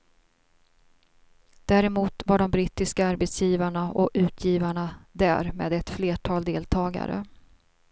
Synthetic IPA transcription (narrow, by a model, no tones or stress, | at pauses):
d̪̥æːɾɛmuːt̪vaɖɔmbɾiːt̪ːɪskaaɾbɛt̪sjiːvaɳaʔɔkʉ̟ːt̪ʰjiːvaɳad̪æ̰ːɾmḛːd̪ɛt̪fleːʈʰɑːld̪eːlt̪ʰɑːɡa̰ɾə̰